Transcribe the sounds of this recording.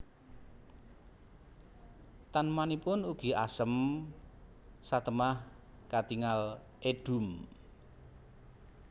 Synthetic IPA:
t̪anmanipʊnuɡ̥i̤a̰səm | sat̪əmah | kat̪iŋal | ʔed̥ṳm

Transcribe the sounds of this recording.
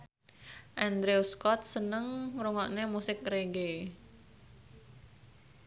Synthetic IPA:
ʔɛnd̪ɾeuskɔt̪̚sənəŋɾuŋɔʔnemusɪk̚ɾeɡe

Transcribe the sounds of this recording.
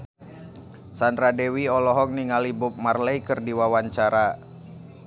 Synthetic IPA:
sandɾadɛwiɔlɔɦɔk̚niŋalibʊp̚marlɛjkərdiwawaɲt͡ʃaɾa

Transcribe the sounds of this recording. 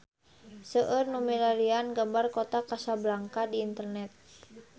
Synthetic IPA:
səʔərnumilaɾianɡambarkot̪akasablaŋkadiːnt̪ərnɛt̪̚

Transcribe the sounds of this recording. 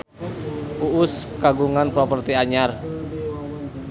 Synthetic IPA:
uʊskaɡuŋanpɾɔpərt̪iaɲar

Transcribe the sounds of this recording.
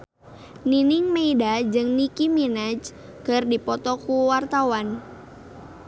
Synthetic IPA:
ninɪŋmeidad͡ʒɨŋnikiminad͡ʒ | kərdipɔt̪ɔkuwart̪awan

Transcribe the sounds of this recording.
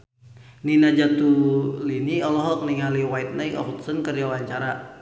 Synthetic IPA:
ninad͡ʒat̪uliniɔlɔɦɔk̚niŋaliwait̪̚naiɔ̰ɦut̪sənkərijawaɲt͡ʃaɾa

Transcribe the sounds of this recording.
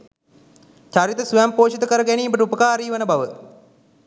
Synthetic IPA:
t͡ʃaɾit̪əsuɛmpoːʃit̪əkəɾəɡæniːbəʈəupəkaːɾiːʋənəbaʋə

